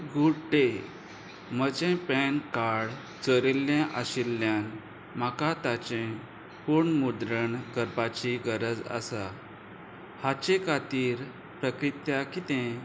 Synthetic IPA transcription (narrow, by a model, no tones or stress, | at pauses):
ɡuʈe | mət͡ɕẽpɛnkaɽ | t͡səɾelːjãʔəɕilːjãn | makat̪at͡ɕẽ | puɾɳmud̪ɾəɳkəɾpat͡ɕiɡəɾəd͡zə̰sa | hat͡ɕẽkʰat̪iːɾ | pɾəkɾit̪jakit̪ɛ̃